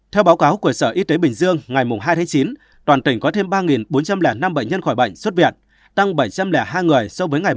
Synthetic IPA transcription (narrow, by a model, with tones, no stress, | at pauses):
t̪ʰɛ˧wɓa˨˦wkaː˨˦wku˧˩əsəː˧˩ʔi˧t̪e˨˦ɓï˨˩ŋ̟zɨ˧əŋŋa˨˩jmʊ˨˩ŋ͡mɦaː˧jt̪ʰaː˨˦t͡ɕi˨˦n | t̪waː˨˩t̪ï˧˩ŋ̟kɔ˨˦t̪ʰe˧mɓaː˧ŋi˨˩nɓo˨˦nt͡ɕa˧mlɛ˧˩na˧mɓə̰˧˨ɲ̟ɲə˧nxɔ˧˩jɓə̰˧˨jŋ̟swə˦˥t̚vḭ˨˧˩ən̚ | t̪a˧ŋɓə˧˩jt͡ɕa˧mlɛ˧˩ɦaː˧jŋɨ˨˩əjsɔ˧vəː˨˦jŋa˨˩j